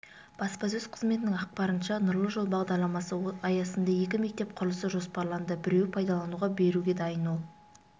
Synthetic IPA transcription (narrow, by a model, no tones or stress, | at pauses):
b̥ɑspɑs̬ɵz̥qʰə̥zme̞t̪ɪnɪŋɑq̚pɑɾənʃɑnʊɾlˠəʒolˠbɑʁd̪ɑɾlˠɑmɑsəɑjɑsənd̪ɑje̞kʲɪme̞k̚t̪e̞p̚qʰʊɾlˠəsəʒo̞spɑɾlˠɑnd̪əbɪɾe̞wpʰɑjd̪ɑlˠɑnuwʁɑbe̞ɾuɡʲe̞d̪ɑjənolˠ